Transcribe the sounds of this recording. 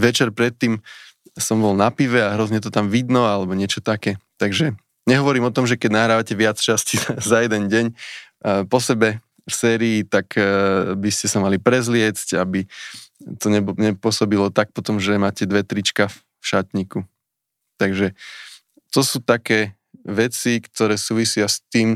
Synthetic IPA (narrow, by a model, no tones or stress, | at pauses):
ʋɛt͡ʃɛɾpɾɛt̪ːiːmsɔmbɔlnapiʋɛaɦɾɔzɲɛt̪ɔt̪amʋid̪nɔalɛbɔɲɪɛt͡ʃɔt̪akɛːt̪aɡʒɛ | ɲɛɦɔʋɔɾiːmɔt̪ɔmʒɛkɛɟnaɦɾaːʋacɛʋɪat͡st͡ʃasciazajɛd̪ɛnɟɛɲ | pɔsɛbɛ | fsɛːɾiːt̪akbiscɛsamalipɾɛzlɪɛt͡scabi | t̪ɔɲɛɲɛpʊɔsɔbilɔt̪ak̚pɔt̪ɔmʒɛmaːcɛd̪ʋɛt̪ɾit͡ʃka | fʃat̪ɲiku | t̪aɡʒɛ | t̪ɔsuːt̪akɛː | ʋɛt͡sikt̪ɔɾɛːsuːʋisɪast̪iːm